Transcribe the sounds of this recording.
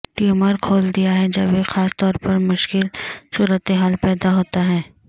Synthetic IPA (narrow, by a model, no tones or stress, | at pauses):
ʈiuməɾkʰoːld̪ijaɦɛd͡ʒɐbexaːst̪ɔːɾpɐɾmʊʃkɪlsuːɾət̪eɦaːlpɛːd̪aɦoːt̪aɦɛː